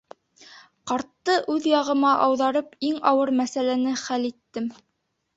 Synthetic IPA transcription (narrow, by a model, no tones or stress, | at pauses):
qɑɾt̪ːɤʔʉðjɑʁɤ̆mɑʔɑwðɑɾɤpiŋɑwɤɾmæsælænɘχælit̪ːɘm